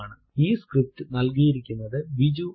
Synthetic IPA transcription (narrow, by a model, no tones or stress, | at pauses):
ɳɨ | iːskɾɪp̚t̪ɨnɐlkijɪɾikʲːɯnːɐðɨʋid͡ʑu